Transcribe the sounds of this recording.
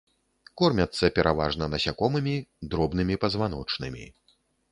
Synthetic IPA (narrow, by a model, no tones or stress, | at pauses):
kɔrmʲɐt̪sːɐpʲɛɾʔava̰ʐnɐnɐsʲakɔmɨmʲid̪ɾɔbnɨmʲipɐzvanɔt͡ʂnɨmʲḭ